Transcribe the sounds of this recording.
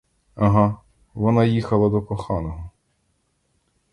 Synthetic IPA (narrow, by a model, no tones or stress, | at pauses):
ɐɦɑ | ʋɔnɑjixɐlˠɐd̪ɔkɔxɑnɔɦɔ